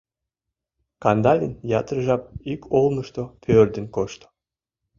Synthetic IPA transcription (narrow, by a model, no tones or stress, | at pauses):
kɑnd̪ɑlʲinjɑt̪əɾʒɑp̚ikʰolˠməʃt̪opʰørd̪ə̆nkoʃt̪o̥